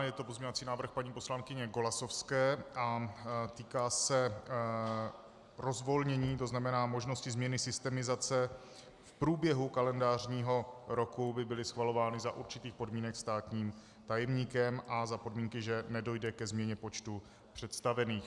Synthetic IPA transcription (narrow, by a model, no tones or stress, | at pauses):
jɛt̪opo̞zmɲovat͡siːnaːvr̩xpaɲiːpo̞slaŋkɪɲɛɡo̞lasofskɛːʔat̪iːkaːsɛ | ɾo̞zvo̞lɲɛɲiːt̪o̞znamɛnaːmo̞ʒno̞scɪzmɲɛnɪsɪst̪ɛmɪzat͡sɛ | fpɾuːbjɛɦukalɛndaːrɲiːɦo̞ɾo̞kubɪbɪlɪsxvalo̞vaːnɪzaʔuɾt͡ʃɪt̪iːxpo̞dmiːnɛkst̪aːt̪ɲiːm | t̪ajɛmɲiːkɛmʔazapo̞dmiːŋkɪʒɛnɛdo̞jdɛkɛzmɲɛɲɛpot͡ʃt̪u | pr̝̥ɛt̪st̪avɛniːx